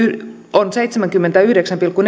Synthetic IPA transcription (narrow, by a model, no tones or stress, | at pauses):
onsejt̪semæŋkymːent̪æyhdeksæmpilkːun